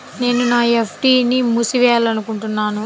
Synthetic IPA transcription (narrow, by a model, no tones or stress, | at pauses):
ne̞ːnunaːepʰʈiːnimusiʋɛːjalɐnukuɳʈunːaːnu